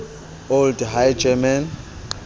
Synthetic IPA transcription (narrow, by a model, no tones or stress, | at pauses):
oldɦajd͡ʒɛman